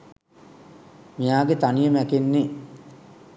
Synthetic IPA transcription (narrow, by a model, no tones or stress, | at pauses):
mijaːɡet̪anijəmækenːe